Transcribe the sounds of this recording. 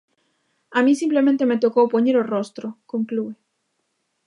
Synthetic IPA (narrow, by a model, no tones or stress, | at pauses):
amis̬imple̞mẽnt̪e̞me̞t̪o̞kopoɲeɾorost̪ɾokoŋklue